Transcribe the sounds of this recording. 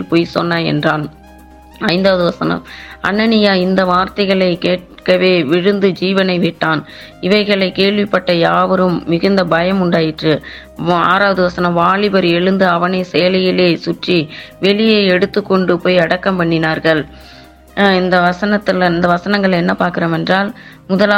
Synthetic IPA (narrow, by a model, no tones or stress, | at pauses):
lpoːjsɔ̰nːɐɛ̰ndraːn | ɐɪnd̪aːʋɐðɯʋɐsɐnɐ̰mɐ̰nːɐnɪjaːɪnd̪ɐʋaːɾt̪ɐɪɣɐɭɐɪkeːʈ | kɐʋeːʋɪɻɯnd̪ɯd͡ʒiːʋɐnɐɪʋɪʈːaːn | ɪʋɐɪɣɐɭɐɪkeːɭʋɪpːɐʈːɐjaːʋɐɾɯmːɪɣɯnd̪ɐbɐjɐmʊɳɖaːjɪʈrɯ | a̰ːɾaːʋɐðɯʋɐsɐnɐmʋaːɭɪbɐɾɛɻɯnd̪ɯɐʋɐnɐɪsɛjɐlɐjɪleːsʊʈriʋɛɭɪjeɐɪɛɽɯt̪ːɯkːɔɳɖɯpoːjɐɽɐkːɐmpɐɳːɪnaːɾɣɐɭ | ɪnd̪ɐʋɐsɐnɐt̪ːɪlɪnd̪ɐʋɐsɐnɐŋɡɐɭɛnːɐpaːɾkɪɾoːmɛndraːl | mʊðɐlaː